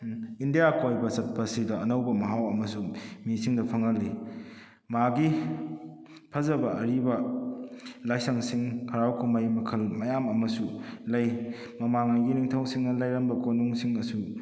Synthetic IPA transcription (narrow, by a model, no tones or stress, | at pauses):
indijakojbɐsɐt̚pʰɐsidɐːnɐwbɐmɐɦawɐmɐsumisiŋdɐpʰɐŋɐlːi | maɡi | pʰɐzɐbɐʔɐɾibɐ | lajsɐŋsiŋhʰɐɾawkumajmɐkʰɐlmɐjamɐmɐsulɐj | mɐmaŋajɡiniŋtʰɐwsiŋnɐlajɾɐnbɐkonuŋsiŋɐsu